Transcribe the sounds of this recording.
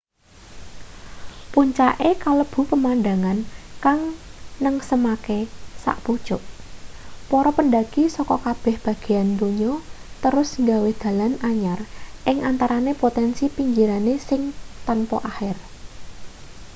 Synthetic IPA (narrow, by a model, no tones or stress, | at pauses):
puɲt͡ʃaʔekaləb̥ṳpəmandaŋankaŋnəŋsəmakesa̰ʔpud̥ʒ̥ʊʔ | pɔɾɔpənɖaɡ̥isɔkɔkab̥ɛ̤hb̥ä̤ɡ̥e̤and̪uɲɔt̪əɾʊsŋɡawed̪̥ä̤lanaɲarʔɪŋʔant̪aɾanepot̪ɛnsipiɲd͡ʒiɾanesɪŋt̪anpɔʔaxɪr